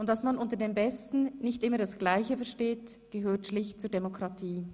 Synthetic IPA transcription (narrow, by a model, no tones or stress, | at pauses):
ʔʊntd̥asmanʔʊntədeːmbɛstn̩nɪçtʔɪməɐdasɡ̥laɪçəfɛɐʃteːt | ɡ̥əɦøːtʃlɪçtt͡suːɐdemokʁatʰiː